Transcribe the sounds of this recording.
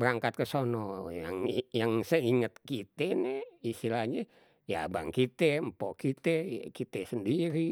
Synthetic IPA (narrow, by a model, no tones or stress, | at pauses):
bəɾaŋkat̪̚kəsonɔja̰ŋjaŋsəiŋət̪̚kit̪enɛist̪ilahɲa | ja̰ba̰ŋkit̪empokit̪ekit̪ɛsəndiɾi